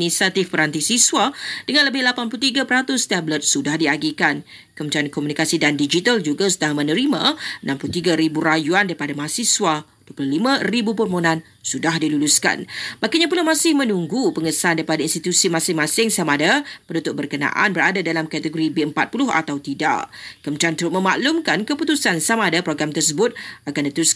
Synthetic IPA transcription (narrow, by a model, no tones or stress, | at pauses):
nisat̪ifpəɾant̪isiswad̥əŋãnləbɪhlapanpulut̪̬iɡapəɾat̪ʊst̪ɛblət̪̚sudahdiaɡikan | kəmət͡ʃaankɔmunikasidandid͡ʒit̪ald͡ʒuɡasudaɦamənəɾimãənãmplut̪iɡaɾibuɾajuandaɾipadamaɦasiswaduəpuluhlimãribupərmonãn | sudahdiluluska̰nbakaɲapulamãsɪhmə̃nuŋɡupəŋəsaandaɾipadainst̪it̪usimãsɪŋmãsɪŋsamaːdapəndut̪ʊʔ̚bərkənã̰ʔa̰nbəɾadadalamkat̪əɡoɾibeəmpat̪̚pulʊɦa̰t̪awt̪ida̰ʔkəmət͡ʃant̪əɾʊmə̃ma̰ʔlumkankəput̪usansamaːdapɾoɡɾamt̪ərs̬əbʊt̪̚akandət̪əɾus